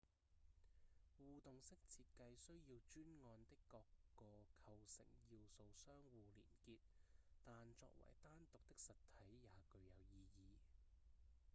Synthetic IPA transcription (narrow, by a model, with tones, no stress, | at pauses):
wuː˨t̪ʊ˨ŋsɪ˥k̚t͡sʰiː˧t̚kɐ˧jsɵ˥ɥjiː˧wt͡ʃyː˥nŋɔː˧nt̪ɪ˥kːɔː˧kːɔː˧kʰɐ˧wsɪ̰˨˩ŋjiː˧wso˧wsœː˥ŋwuː˨˧lḭː˨˩nkiː˧t̚t̪aː˨nt͡ʃɔ̰ː˧k̚wɐ̰˨˩jt̪aː˥nt̪ʊ˨k̚t̪ɪ˥k̚sɐ˨t̪ʰːɐ˨˥jjaː˨˧kɵ˧ɥjɐ˨˩wjiː˧jiː˨˧